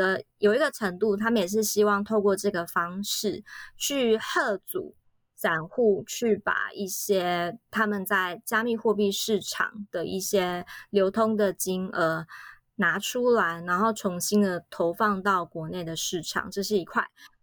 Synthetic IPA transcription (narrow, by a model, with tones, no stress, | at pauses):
ə˦jo˨˩ʊi˧˥ɡə˧ʈ͡ʂʰə˧˥ŋt̪u˥˩t̪ʰa˥mə˨njɛ˨˩ʂ̬ɻ̩˥˩ɕi˥wɑ˥˧ŋt̪ʰo˥˧ʊkwɔ˥˧ʈ͡ʂɤ˥˩ɡə˩fɑ˥ŋʂɻ̩˥˩t͡ɕʰy˥˧hɤ˥˩t͡sṵ˨˩˦ | t͡sa˨˩nxu˥˧t͡ɕʰy˥˩pa̰˨˩i˥˩ɕjɛ˥t̪ʰa˥mə˨nt͡sa˥˩ɪt͡ɕja˥mi˥˧xwɔ˥˧p̬i˥˧ʂɻ̩˥˩ʈ͡ʂʰɑ̰˨˩ŋd̪̥ə˩ḭ˥˩ɕjɛ˥ljo˧˥ʊt̪ʰo˥ŋd̪ə˨˩t͡ɕi˥ŋə˧˩ | na˧˥ʈ͡ʂʰu˥la˧˥ɪna˧˥nxo˥˩ʊt͡sʰʊ˧˥ŋɕi˥nd̪ə˨˩t̪ʰo˧˥ʊfɑ˥˧ŋt̪ɑ˥˩ʊkwɔ˧˥ne˥˩ɪd̪ə˩ʂɻ̩˥˩ʈ͡ʂʰɑ̰˨˩ŋʈ͡ʂɤ˥˧ʂ̬ɻ̩˥˩i˧˥kʰwa˥˩ɪ